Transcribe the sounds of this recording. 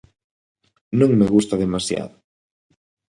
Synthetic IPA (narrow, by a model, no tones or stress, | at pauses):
nõŋmeɣust̪aðemasja̰ðʊ